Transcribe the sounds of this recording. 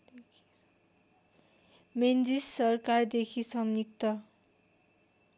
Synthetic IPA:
mend͡zisːʌrkard̪ekʰisʌŋnik̚t̪ʌ

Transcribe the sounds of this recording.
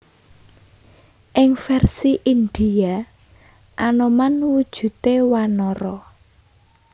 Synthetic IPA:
ʔɪŋfɛrsiʔind̪̥ija | ʔanomanwud̥ʒ̥ṳt̪ewanɔɾɔ

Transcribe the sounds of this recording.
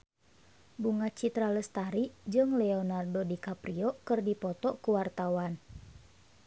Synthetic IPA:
buŋat͡ʃit̪ɾaləst̪aɾid͡ʒɨŋlɛɔnardodikapɾiɔkɨrdipɔt̪ɔkuwart̪awan

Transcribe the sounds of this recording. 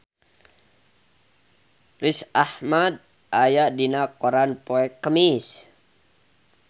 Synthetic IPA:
risahmad̪̚ | ajaʔdinakoɾanpoɛkːəmis

